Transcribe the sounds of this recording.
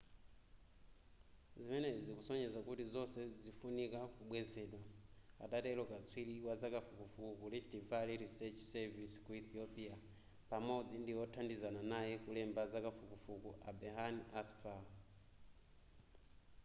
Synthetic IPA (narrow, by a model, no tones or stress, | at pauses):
zimɛnɛd͡zikusɔɲɛzakutizɔsɛd͡zifunikakuɓwɛzɛɗwa | a̰tatɛlɔkat͡sʰwiliwad͡zakafukufukulit͡ʃitivaliɾisɛt͡ʃsɛviskuiθiɔpia | pamɔd͡zindiwɔtʰandizananajɛkulɛmbad͡zakafukufukuʔabɛɦaniasfa